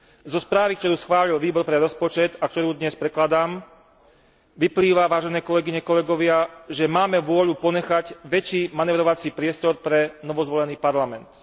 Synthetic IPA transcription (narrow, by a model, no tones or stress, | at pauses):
zɔspɾaːʋikt̪ɔɾuːsxʋaːlilʋiːbɔɾpɾɛɾɔspɔt͡ʃɛt̪akt̪ɔɾuːd̪ɲɛspɾɛklad̪aːm | ʋipliːʋaʋaːʒɛnɛːkɔlɛɡiɲɛkɔlɛɡɔʋɪaʒɛmaːmɛʋʊɔʎupɔɲɛxaɟʋɛt͡ʃiːmanɛːʋɾɔʋat͡siːpɾɪɛst̪ɔɾpɾɛnɔʋɔzʋɔlɛniːpaɾlamɛnt̪